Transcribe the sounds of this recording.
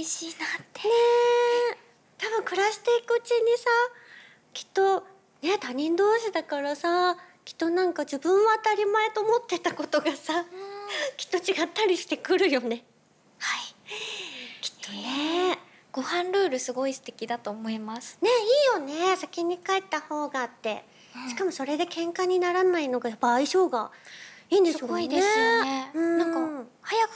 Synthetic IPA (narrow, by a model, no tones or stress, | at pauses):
iɕiːnat̪ʰːe | t̪abɯ̟̃ŋkɯ̟ɾaɕi̥t̪e̞ikɯ̟ːt͡ɕiɲ̟isa | kʲi̥t̪ːo̞ | ne̞t̪aɲ̟ĩnd̪o̞ːɕid̪akaɾasakʲi̥t̪ːo̞nãŋkad͡ʑibɯ̟̃ɰ̃βaːt̪aɾʲimaet̪o̞ːmo̞t̪ːe̞t̪ako̞t̪o̞ɡasa | kʲi̥t̪ːo̞t͡ɕiɡat̪ːaɾʲiɕi̥t̪e̞kɯ̟ɾɯ̟jo̞ne̞ | hai | kʲi̥t̪ːone | ɡ̥o̞hãnɾɯ̟ːɾɯ̟sɨɡo̞isɨ̥t̪e̞kʲid̪at̪oːmo̞imasɨ̥ne̞iːjo̞ne̞sakʲiɲ̟ikaet̪ːaho̞ːɡaːt̪ːḛ | ɕi̥kamo̞so̞ɾe̞d̪e̞kẽ̞ŋkaɲ̟inaɾanaino̞ɡajapːaːiɕo̞ːɡaiːnd̪esɨkid̪ese̞eɯ̟̃ãahajakɯ̥